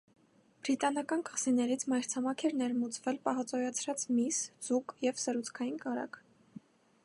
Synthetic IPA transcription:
b̥ɾit̪ɑnɑkɑnkɑsinɛɾit͡sʰmɑjɾt͡sʰɑmɑkʰɛɾnɛɾmut͡svɛlpɑɦɑt͡sɔjɑt͡sʰɾɑt͡smisz̥ukjɛvsəɾut͡sʰkʰɑjinkɑɾɑ̰kʰ

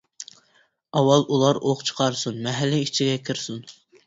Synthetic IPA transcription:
ɑwɑlˠʔulˠɑɾoqt͡ʃʰə̥qʰɑɾsunmɛɦɛlːɪit͡ʃʰiɡʲɛkʲʰɪɾsun

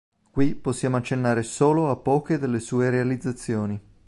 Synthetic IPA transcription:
kwiposːjaːmoat͡ʃːenːaːɾesoːloapːɔːked̪elːesuːeɾealid̪zːat̪sːjoːni

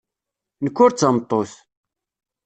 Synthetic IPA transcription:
nəkːʊɾt͡sːəmt̪ˤːoθ

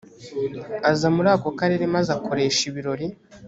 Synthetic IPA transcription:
azamuɾaːko̞kaɾe̞ɾe̞mazakʰo̞ɾe̞ːʃiβiɾo̞ɾi

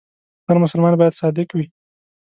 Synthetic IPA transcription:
həɾmʊsəlmɑnbɑjad̪sɑd̪ɪkwi

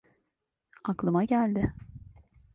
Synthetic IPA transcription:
aklˠɯmaɟælʲd̪ɪ

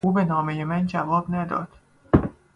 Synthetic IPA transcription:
uːbe̞nɒːme̞je̞mænd͡ʒævɒːbnæd̪ɒ̰ːd̪̥

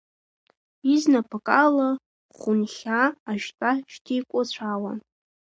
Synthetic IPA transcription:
iznapʰakʼala | χʊnχʲaːʒtʼaʃtʰijkʷʼʊt͡ɕʷʰawa̰

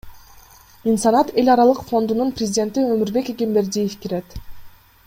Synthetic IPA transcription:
insɑnɑt̪e̞lʲɑɾɑlˠɯqfo̞nd̪ununprʲɪzʲidʲe̞nt̪iømyɾbe̞kekembe̞ɾd̪ijefkiɾet̪

